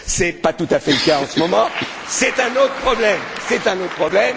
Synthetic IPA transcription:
sɛpat̪ut̪afɛləkaɑ̃səmɔmɑ̃sɛt̪ɛ̃not̪χəpχɔblɛmsɛt̪ɛ̃not̪χəpʰχɔblɛm

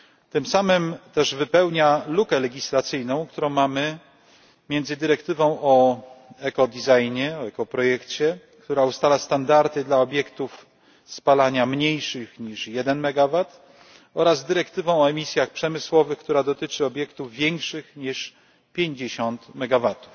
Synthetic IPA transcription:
t̪ɘmsamɘmt̪ɛʐvɘpɛwɲalukɛlɛɡʲislat̪sɘjnɔ̃w̃kt̪uɾɔ̃w̃mamɘ | mʲjɛnd̪zɘd̪ɘɾɛkt̪ɘvɔ̃w̃ʔɔɛkɔd̪ʲizajɲɛɔɛkɔpɾɔjɛkt͡ɕɛ | kt̪uɾaust̪alast̪and̪aɾt̪ɘd̪laɔbʲjɛkt̪uf | spalaɲamɲejʂɘxɲiʂjɛd̪ɛnmɛɡavat̪ | ɔɾazd̪ɘɾɛkt̪ɘvɔ̃w̃ɔɛmʲisʲjaxpʂɛmɘswɔvɘxkt̪uɾad̪ɔt̪ɘt͡ʂɘɔbʲjɛkt̪uvːʲjɛŋkʂɘxɲiʂ | pʲjeɲd͡ʑeɕɔnt̪mɛɡavat̪u̥f

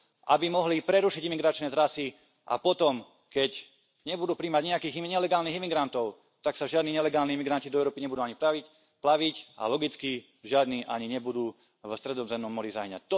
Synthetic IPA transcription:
ʔa̰bimɔɦlipɾɛɾuʃiɟimiɡɾat͡ʃnɛːt̪ɾasi | ʔa̰pɔt̪ɔm | kɛɟ | ɲɛbud̪uːpɾiːmaɟɲɛakiːɣɲɛlɛɡaːlniɣimiɡɾant̪ɔʊ | t̪aksaʒɪad̪niːɲɛlɛɡaːlniːimiɡɾancid̪ɔɛʊɾɔːpiɲɛbud̪uːaɲipɾaʋic | plaʋica̰lɔɡit͡ski | ʒɪad̪niːʔa̰ɲiɲɛbud̪uː | vst̪ɾɛd̪ɔzɛmnɔmːɔɾizajɲa̰c̚t̪

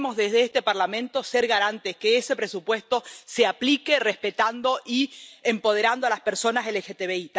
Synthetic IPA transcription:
mo̞zðezðeest̪e̞paɾlamẽnt̪o̞seɾɣaɾant̪eskeese̞pɾesupwe̞st̪o̞seaplikerespet̪and̪o̞ʔiempo̞ð̞eɾand̪oalaspeɾso̞naselexet̪eβeit̪

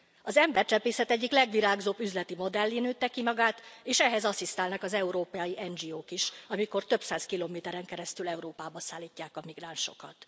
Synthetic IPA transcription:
ɒzɛmbɛrt͡ʃɛpeːsɛt̪ɛɟːiklɛɡʋiɾaːɡzobːyzlɛt̪imo̞d̪ɛlːinøːt̪ːɛkimɒɡaːt̪eːʃɛɦɛzɒsist̪aːlnɒkɒzɛuɾoːpjiʔɛnd͡ʒioːkiʃɒmiko̞rt̪ø̞bsaːskiloːmeːt̪ɛɾɛŋkɛɾɛst̪ylɛuɾoːpaːbɒsaːlːiːcːaːkɒmiɡraːnʃo̞̰kɒt̪

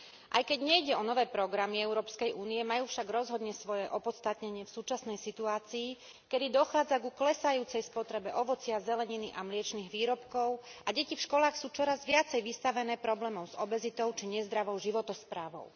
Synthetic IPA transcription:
ʔa̰jkɛɟɲɛjɟɛɔnɔʋɛːpɾɔɡɾamiɛʊɾɔːpskɛjʔuːniɛmajuːfʃaɡɾɔzɦɔd̪ɲɛsʋɔjɛʔɔpɔt̪st̪at̪ɲɛɲɪɛfsuːt͡ʃasnɛjsit̪uaːt͡siː | kɛd̪id̪ɔxaːd͡zaɡuklɛsajuːt͡sɛjspɔt̪ɾɛbɛʔɔʋɔt͡sɪazɛlɛɲiniʔamlɪɛt͡ʃniːɣʋiːɾɔpkɔʊaɟɛcifʃkɔlaːxsuːt͡ʃɔɾazʋɪat͡sɛjʋist̪aʋɛnɛːpɾɔblɛːmɔʊz̥ɔbɛzit̪ɔʊt͡ʃiɲɛzd̪ɾaʋɔʊʒiʋɔt̪ɔspɾaːʋɔ̰ʊ

